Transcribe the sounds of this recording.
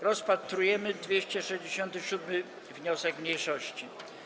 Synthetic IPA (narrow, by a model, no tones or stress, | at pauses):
ɾɔspat̪ɾujɛmɘd̪vʲjeɕt͡ɕɛʂɛʑd͡ʑeɕɔnt̪ɘɕud̪mɘ | vɲɔsɛkmɲejʂɔɕt͡ɕi